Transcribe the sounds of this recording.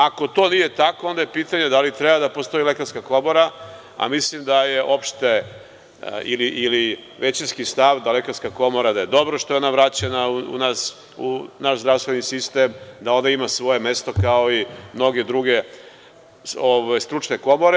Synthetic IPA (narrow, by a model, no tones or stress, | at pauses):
ako̞t̪o̞ːnije̞t̪ako̞ond̪ajepiːt̪aɲe̞d̪alit̪ɾebad̪apo̞st̪o̞ilekaskako̞mo̞ɾa | a̰mislimd̪aje̞ʔo̞pʃt̪e | ḭliʔːli | ʋe̞t͡ɕinskist̪aʋd̪alekaɾskako̞mo̞ɾad̪aje̞d̪o̞bɾoʃt̪o̞jeonaʋɾat͡ɕe̞nauṵnas | unaʃzd̪ɾaʋst̪ʋe̞nisist̪emd̪ao̞nd̪aimasʋo̞je̞me̞st̪o̞kao̞imno̞ɡe̞d̪ɾuɡe̞ | oʋajst̪ɾut͡ʃne̞ko̞mo̞ɾe